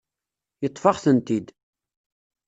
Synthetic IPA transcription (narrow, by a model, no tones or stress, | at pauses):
jət̪ˤːfɑʁθənt̪id̪